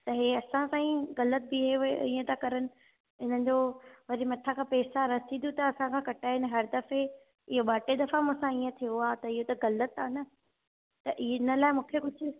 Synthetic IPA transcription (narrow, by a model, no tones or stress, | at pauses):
t̪ɐɦeːɐsãsãːĩɣɐlət̪̚bɪɦeiːə̃t̪akɐɾənɪ̆ | ɪn̤ən̆d͡ʑoʋɐɾimɐʈʰãkʰãːpeːsaɾɐt̪ʰĩnjut̪ɐɐsãkʰãːkɐʈaːɦɪnɪ̆ɦɐɾd̪ɐfe | ɪɦoɓaːʈed̪ɐfamũsãiːə̃t̪ʰijoaːt̪ɐɪɦot̪ɐɣɐlət̪aːnɐ | t̪ɐʔinə̆laːɪmũːkʰekʊd͡ʑʱʊ̆